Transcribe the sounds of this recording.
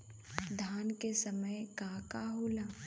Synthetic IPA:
d̪ʱaːnkesɐməjkaːkaɦoːlaː

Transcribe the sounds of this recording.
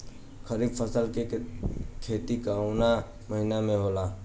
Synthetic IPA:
kʰəɾibpʰəsəlke | kʰet̪ikauna | məɦinameɦola

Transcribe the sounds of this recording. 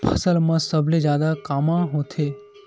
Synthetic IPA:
pʰəsəlmãsəbʱled͡ʒjaːd̪akamãɦõt̪ʰe

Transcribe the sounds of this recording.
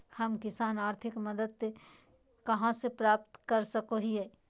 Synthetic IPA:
hɐmkɪsaːnaːɾt̪ʰɪkmɐd̪əd̪̚se | kɐɦãsepɾaːp̚t̪kɐɾsɐkoɦiɦɛː

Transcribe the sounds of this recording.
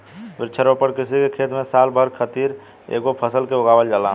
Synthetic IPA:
ʋɪɾt͡ʃʰəɾopəɾkɪsikekʰet̪mẽsalbʱəɾkʰət̪iɾ | ḛɡopʰəsəlkeoɡaːʋəld͡ʒala̰

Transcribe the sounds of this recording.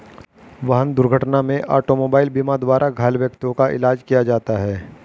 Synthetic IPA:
ʋɐɦənd̪ʊɾɡʱəʈnamẽʔa̰ːʈomoːbaːɪlbiːmad̪waːɾʔaɡʱaːlʋjək̚t̪jõkaʔɪ̰laːd͡ʒkijad͡ʒaːt̪aɦɛː

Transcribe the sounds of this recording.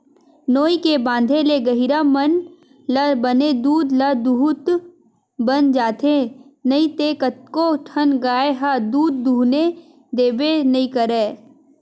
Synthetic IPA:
noːikebãːnd̪ʱeleɡəɦiɾamən | labəned̪uːd̪lad̪uɦt̪ | bənd͡ʒaːt̪enɐĩt̪eːkət̪̚koʈʰənɡaːeɦad̪uːd̪̚ːuːne | d̪eːbenɐɦĩkəɾeː

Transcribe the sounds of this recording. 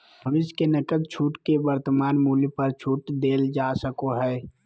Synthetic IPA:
bʱɐʋɪʃkenɐkəd̪̚t͡ʃʰuːʈkebɐɾt̪əmaːnmuːljpɐɾt͡ʃʰuːʈd̪eːld͡ʒaːsəkoɦɛː

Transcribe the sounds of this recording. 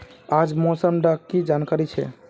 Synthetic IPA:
ad͡ʒmosəmɖakid͡ʒankaɾit͡ʃʰɛ̰

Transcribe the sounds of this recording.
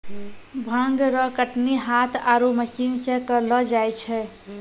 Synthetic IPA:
bʱãŋɡɾəkəʈniɦat̪ʰaɾoməsinsẽkəɾlɔd͡ʒajt͡ʃʰɛ

